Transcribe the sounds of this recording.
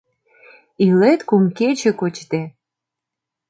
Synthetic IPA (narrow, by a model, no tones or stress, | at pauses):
ilet̪kumket͡ɕĕkot͡ɕt̪e